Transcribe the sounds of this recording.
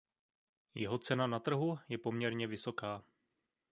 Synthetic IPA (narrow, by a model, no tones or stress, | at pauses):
jɛɦo̞t͡sɛnanat̪r̩ɦujɛpo̞mɲɛɾɲɛvɪso̞kaː